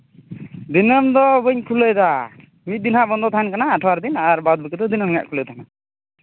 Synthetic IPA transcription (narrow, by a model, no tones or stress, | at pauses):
d̪inəmd̪ɔbəɲkʰuləjd̪a | mit̪̚d̪inɦabɔnd̪ɔt̪ʰaɛnkanaːʈʰɔaɾd̪inaɾbad̪̚bəkɛd̪ɔd̪inəmja̰ʔkʰuləjt̪ʰana